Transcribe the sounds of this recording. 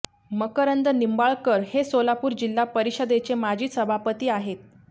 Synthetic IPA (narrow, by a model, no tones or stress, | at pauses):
məkəɾənd̪ənimbaɭkəɾhesolapuːɾd͡ʑilːapəɾiɕəd̪et͡semad͡ʑʱiːsəbʱapət̪iːaɦet̪̚